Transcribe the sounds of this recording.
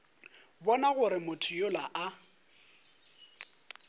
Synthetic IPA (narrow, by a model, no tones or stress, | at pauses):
bɔnaɣʊɾɪmʊtʰʊjolaʔa